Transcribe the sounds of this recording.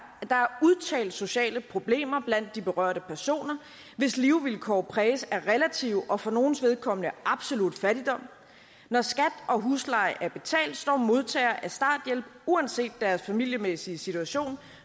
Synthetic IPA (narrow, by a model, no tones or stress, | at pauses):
d̥ɑ̈æɐuðˠt͡sʰɛ̰ːld̥so̝ɕɛ̰ːləpʰʁo̝b̥le̝̰ːmɐb̥læn̰d̥ːib̥e̝ʁɶɐɾ̥əpʰæɐso̝̰ːnɐ | ʋe̝sliʊʋilkʰɒ̰ːpʰʁɛːsæɐʁɛlæt͡sʰiʊʔɒ̽fɒ̽no̝ːn̩sʋe̝ð̞ˠkʰɒ̽m̰ənəʔɑ̈b̥so̝lud̥fæɾ̥id̥ɒ̽m̰ | nɒsɡ̥æd̥ɒ̽ɦuslɑ̈ɪʔæɐb̥e̝t͡sʰɛ̰ːld̥sd̥ɒ̰ːmo̝ð̞ˠt͡sʰɛ̰ːɐʔæsd̥ɑ̰̈ːd̥jel̰b̥uænse̝̰ːd̥ːæɐsfæmil̰jəmesiəsit͡sʰuæɕo̝̰ːn